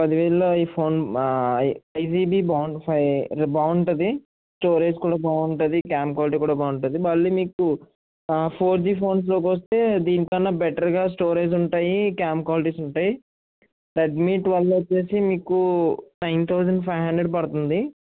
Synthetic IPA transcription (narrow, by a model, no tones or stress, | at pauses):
pɐd̪iʋɛːɭloːiːpʰoːn | ɐjs̬iːbiːbɐwɳpʰbɐwuɳɳʈɐd̪i | sʈoːɾeːd͡ʒkuːɽaːbaːuɳʈɐd̪ikaːmkwaːliʈ̬iːkuːɽaːbaːuɳʈund̪ibɐlːiːmiːku | pʰoːɾd͡ʒiːpʰo̞ːns̬lo̞ːk̬ʋɐs̬t̪e̞ːd̪iːnt̪oɐnːabɛʈɐɾɡaːs̬ʈoːɾeːd͡ʒ̬uɳʈaːjikaːmkʋaːliʈiːsuɳʈaːji | ɾeɖmiːʈʋɐlːɐt͡ʃːe̞ːsimiːkunɐjnt̪ʰɐwd͡ʒɐɳɖpʰɐjɦɐɳɖɾeɽɖpɐɽut̪und̪i